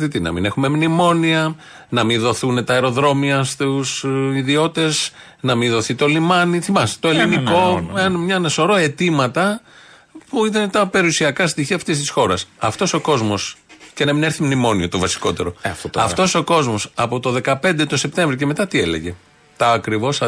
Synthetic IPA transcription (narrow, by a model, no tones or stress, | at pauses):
t̪it̪inɐ̰mḭne̞xume̞mnimo̞niɐ | nɐmiðo̞θunet̪ɐeɾo̞ðɾo̞miɐst̪usiðio̞t̪e̞z | nɐminðo̞θit̪o̞limɐniθimɐst̪oe̞liniko̞enmɲɐnɐso̞ɾo̞e̞t̪imɐt̪ɐ | puit̪ɐnet̪ɐpe̞ɾiusiɐkɐst̪içiɐft̪ist̪isxo̞ɾɐsɐft̪o̞so̞ko̞zmo̞sce̞nɐmine̞ɾθimnimo̞niɐt̪o̞vɐsi̥ko̞t̪e̞ɾo̞t̪tɐft̪o̞so̞ko̞zmo̞sɐpo̞t̪o̞ðe̞kɐpe̞nd̪e̞t̪o̞se̞p̚t̪e̞ɱvɾice̞me̞t̪ɐt̪iele̞̰ʝe̞ | t̪ɐːkɾivo̞s